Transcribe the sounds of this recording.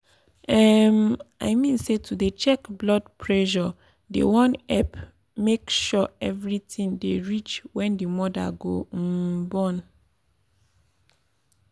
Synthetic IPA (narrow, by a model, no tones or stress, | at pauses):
ɛmaɪjmĩnsetʰudet͡ʃɛkblɔdpʰɹɛʃɔ | dḛwɔ̃nɛp | mekʃɔɛvɹitĩŋdeɹit͡ʃwɛ̃ndimɔda̰ɡom̩bɔ̃n